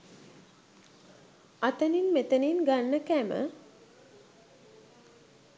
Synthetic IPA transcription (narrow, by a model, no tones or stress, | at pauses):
at̪əninmet̪əninɡanːəkæmə̰